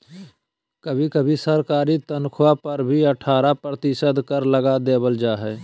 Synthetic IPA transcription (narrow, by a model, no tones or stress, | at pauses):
kəbʱikəbʱisəɾkaːɾit̪ənkʰwapəɾbʱiəʈʰaːɾapɾət̪ɪʃəd̪kəɾləɡad̪eːbəld͡ʒaːɦɛː